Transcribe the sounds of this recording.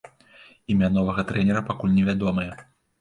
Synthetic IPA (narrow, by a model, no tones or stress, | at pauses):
imʲanɔvɐɣɐt̪ɾɛnʲɛɾɐpakulʲnʲɛvʲad̪ɔmɐjɐ